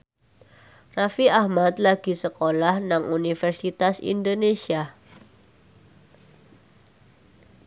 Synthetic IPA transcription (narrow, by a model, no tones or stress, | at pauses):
rafiʔahmat̪̚laɡ̥i̤səkolahnaŋunifɛrsit̪asḭndonesia